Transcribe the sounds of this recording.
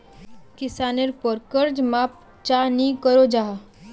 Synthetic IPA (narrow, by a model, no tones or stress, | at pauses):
kisaneɾpɔɾkəɾd͡ʒmap̚ | t͡ʃanikəɾod͡ʒaɦa